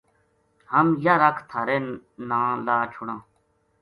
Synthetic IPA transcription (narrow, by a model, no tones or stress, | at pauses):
hɐmjaɾɐkʰt̪ʰɐɾenãːlaːt͡ɕʰuɽãː